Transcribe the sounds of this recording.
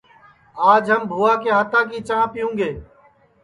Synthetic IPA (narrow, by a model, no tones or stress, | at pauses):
aːd͡ʒɦəmbʱuːaːkeːɦət̪ãːkiːt͡ʃãːpɪjũːŋɡeː